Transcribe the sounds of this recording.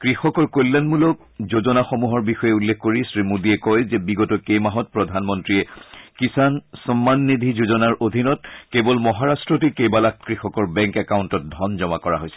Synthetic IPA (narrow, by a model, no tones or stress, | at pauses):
kɹixɔkɔɹkolːanmulɔk̚ | zozɔnaxomuɦɔɹbixɔjɛulːekʰkoɹisɹimudiɛkɔjzɛbiɡɔtɔkejmaɦɔt̚pɹɔdʱanmɔntɹiɛkisansɔmːanːidʱizuzɔnaɹodʱinɔt̚kebɔlmɔɦaɹastɹɔtikejbalakkɹixɔkɔɹbɛŋkɛkaʊntɔt̚dʱɔnzɔma̰kɔɹa̰ɦojsɛ̥